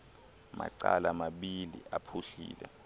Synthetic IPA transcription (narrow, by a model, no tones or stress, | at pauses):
maǀalamaɓilḭʔapʰuɬḭːlɛ